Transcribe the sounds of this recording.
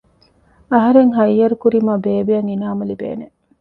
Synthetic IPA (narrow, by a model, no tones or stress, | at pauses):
ɐɦɐɾeŋɦɐjːɐɾukuɾimɐbeːbijɐŋinaːmɐlibḛːne